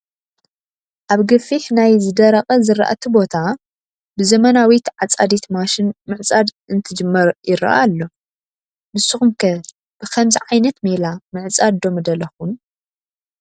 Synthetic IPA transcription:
ʔaβɡɨfiħnajzɨd̪ɐɾɐχʼɐzɨɾa̰ʔa̰t̪ʰɨbo̞t̪ʰa | bɨzɐmɐnawit̪ʕat͡sʼad̪it̪maʃɪnmɨʕt͡sʼad̪ | ɨnt̪ʰɨd͡ʒɨmːɐɾjɪɾɐ̰ʔalːo̞ | mɨsːɨxumkʰɐ | b̥ɨkʰɐmziʕajnɐt̪milamɨʕt͡sʼad̪d̪o̞mɨd̪ɐlɐxun

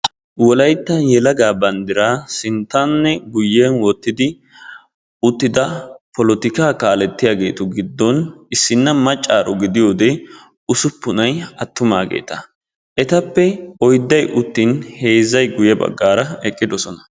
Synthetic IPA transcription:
wɔlɐjt̪ːɐnjɛlɐɡaːbɐnd̪ɪɾaːsɪnt̪ːɐnːɛɡʊjːeːnwɔt̪ːɪd̪ɪ | ʊt̪ːɪd̪ɐpɔlɔt̪ɪkaːkaːlɛt̪ːɪjaːɡe̞ːt̪ʊɡɪd̪ːɔnɪsːɪnːɐmɐt͡ʃʼːaːɾɔɡɪd̪ɪjo̞ːd̪ɛ | ʊsʊpːʊnɐjɐt̪ːʊmaːɡḛːt̪ɐ | ʔɛt̪ɐpːɛɔjd̪ːɐjʔʊt̪ːɪnhe̞ːzɐjɡʊjɐbɐ̰ɡːaːɾɐɛkʼːɪd̪ɔsɔnɐ̥

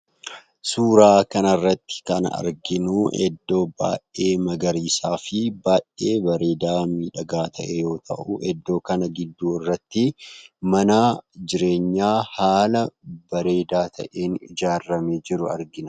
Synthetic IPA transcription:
suːɾaːkɐnɐrːɐt̪ːɪ̥kɐnɐ̰ɐ̰ɾɡɪnuːʔɛ̰d̪ːo̞ːba̰ːʔe̞ːmɐɡɐɾiːsaːfɪbaːʔeːbɐɾe̞ːd̪aːmiːᶑɐɡaːt̪ʰɐʔɛjo̞ːt̪ʰɐ̰ʔʊʔɛd̪ːo̞ːkɐnɐɡɪd̪ːuːɪrːɐt̪ːɪmɐnaːd͡ʒɪɾe̞ːɲːaːhaːlɐbɐɾe̞ːd̪aːt̪ʰɐ̰ʔe̞ːnɪd͡ʒaːrɐmeːd͡ʒɪɾʊɐ̰ɾɡɪnɐ

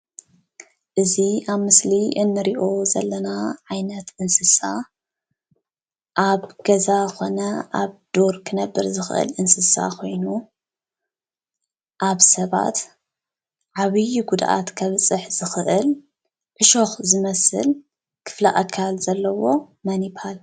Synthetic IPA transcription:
ʔɨziʔaβmɨsliʔɨnːɨɾiʔo̞zɐ̰lːɐnaʕajnɐt̪ʔɨnsɨsa̰ | ʔaβɡ̥ɐzako̞nɐʔa̰βd̪̥o̞ɾkʰɨnɐbːɨɾzɨxɨʔɨ̰lʔɨnsɨsa̰kʰo̞jnu | ʔaβsɐβa̰t̪ | ʕaβɨjuɡud̪ʔa̰t̪kʰɐβt͡sʼɨħz̥ɨxɨʔɨl | ʕɨʃoxzɨmɐsɨ̰l | kʰɨ̥fla̰ʔakʰːalz̥ɐlːɐwo̞ | mɐnipʰal

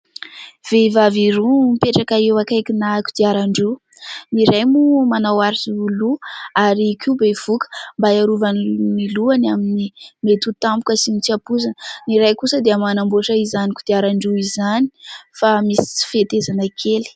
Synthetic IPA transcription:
v̥evaviɾumipeʈ͡ʂakaewakajkinaku̥d̪̥iaɾaɳɖ͡ʐu | niɾajmumanawaɾisuːluaɾikʰibev̥ukə̥mbaaɾuvanniluanaminimet̪ut̪ampukəsimit͡siapuzanəniɾajkusəd̪eamanamboʈ͡ʂəizanikud̪iaɾaɳɖ͡ʐuizanifamisi̥t͡si̥fet̪ezanakʰeli̥

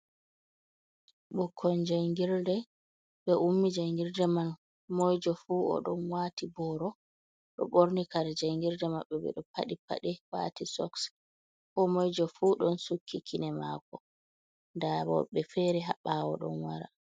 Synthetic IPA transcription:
ɓɔkʰːɔnd͡ʒajŋɡiɾdɛ | ɓɛʔumːid͡ʒajŋɡiɾdɛman | mɔjd͡ʒɔfuːɔ̰ɗɔnwaːtibɔɾɔ | ɗɔ̰ɓoɾnikaɾɛd͡ʒajŋɡiɾdɛmaɓːɛbɛ̰ɗɔpa̰ɗipa̰ɗɛwa̰tisɔ̰ks | kɔmɔjd͡ʒɔfuːɗɔnsukʰːikʰinɛma̰ːkɔ | ndabɔ̰ɓɛfɛɾɛɦaɓːawɔɗɔ̰nwaɾa̰

